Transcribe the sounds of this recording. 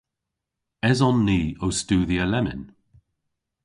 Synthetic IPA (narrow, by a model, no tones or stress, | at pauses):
ɛzɔnːiːowstuːðiəlɛmɪ̰n